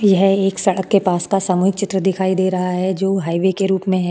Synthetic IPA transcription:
jɐɦeːksɐɽəkːepaːskasaːmuːɦɪk̚t͡ʃɪt̪ɾəd̪ɪkʰaːid̪eːɾɐɦaɦɛd͡ʒoːɦaːiʋekeɾuːpmẽɦɛː

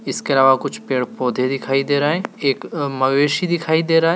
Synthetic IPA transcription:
ɪskeɐlaːʋakʊt͡ʃʰpeːɽpoːd̪ʱed̪ɪkʰaːid̪eːɾaːɦɛeːkmɐɡeːʃid̪ɪkʰaːid̪eːɾaːɦɛ

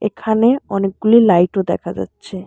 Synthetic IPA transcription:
ḛkʰaneɔnek̚ɡulilajʈod̪ɛ̰kʰad͡ʑa̰tːɕʰe

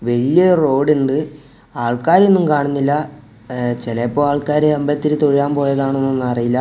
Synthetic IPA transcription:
ʋeɻijɐro̞ːɽuɳɖɨ | aːɭkaːɾenːumkaːɳunːilːɐ | t͡ɕelɐpːoːaːɭkaːɾeɐmbɐt̪ːiɾɨt̪oɻijaːmpo̞ːjɐðaːɳenːonːɐrijilːɐ

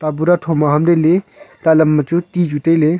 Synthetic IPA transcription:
t̪abuɾatʰomaɦɐmɾelet̪alɐmːɐt͡ʃut̪iːd͡ʒut̪ejle

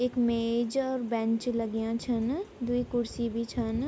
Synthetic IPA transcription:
eːkmeːd͡ʒɔːɾbɛ̃nt͡ʃləɡijãt͡ʃʰɐnd̪uikʊɽsibʱit͡ʃʰən

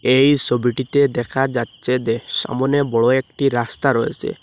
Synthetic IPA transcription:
ejsɔbiʈit̪ed̪ɛkʰad͡ʒatːt͡ʃed̪esa̰mɔnebɔɭɔekʈiɾast̪aɾɔḛsḛ

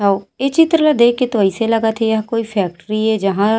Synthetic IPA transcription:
ɦaoet͡ʃɪt̪ɾəlad̪eːkːet̪oəɪselɐɡat̪ʰejɐɦãkoːifʰɛːk̚ʈɾiɦɛd͡ʒɐɦã

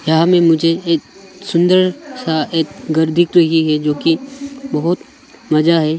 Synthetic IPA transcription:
jɐɦãmẽmʊd͡ʒʱeeːksʊ̃nd̪əɾsaeːkɡɐɾd̪ʱɪk̚t̪oɦiɦɛd͡ʒoːkibɐɦʊt̪ | mɐd͡ʒaɦɛː

